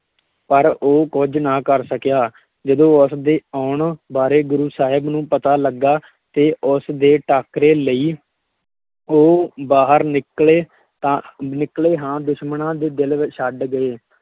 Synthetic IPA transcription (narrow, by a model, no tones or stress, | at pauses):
pəɾoːkʊd͡ʒnãːkəɾsəkjaː | d͡ʒəd̪õːʊsd̪eːɔːɳbaːɾeːɡʊɾuːsaːɦɪbnũːpət̪aːləɡːaː | t̪eːʔʊsd̪eːʈaːkɾeːləiː | oːbaːɦəɾnɪkleː | t̪ãnɪkleːɦãːd̪ʊʃmənãːd̪eːd̪ɪlʋʃəɖɡəeː